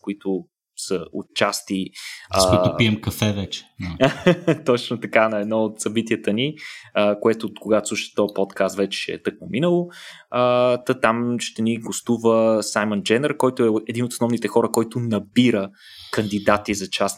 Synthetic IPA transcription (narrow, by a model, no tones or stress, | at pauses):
koit̪ʊ | səo̰t̪t͡ʃast̪iək̪iɛmkɐfɛvɛt͡ʃɛ̥ | t̪ɔt͡ʃnot̪ɐkanɐɛd̪nɔot̪sɐbit̪iət̪əniəkoɛt̪okoɡat̪osˠuʃt̪ɔpɔt̪kast̪vɛt͡ʃɛ̥ʃɛɛ̰t̪ɤk̚nominəlˠo | ət̪ət̪amʃt̪ɛniɡost̪uvəsajmənd͡ʒɛnɛɾkɔjt̪oɛɛd̪inot̪snɔvnit̪ɛxɔɾəkɔjt̪ʊnɐbiɾə | kɐnd̪id̪at̪izɐt͡ʃast̪